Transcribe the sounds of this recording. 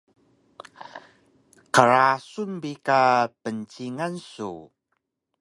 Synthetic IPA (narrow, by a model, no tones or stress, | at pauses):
qəɾasunbikapənt͡ɕiŋansṵ